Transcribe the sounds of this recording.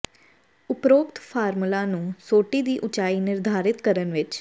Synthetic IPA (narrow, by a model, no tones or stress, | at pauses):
ʊpɾoːkt̪pʰaːɾmlaːnũːsoːʈiːd̪iːʔʊt͡ʃaːiːnɪɾd̪ʱaːɾɪt̪kəɾənʋɪt͡ʃ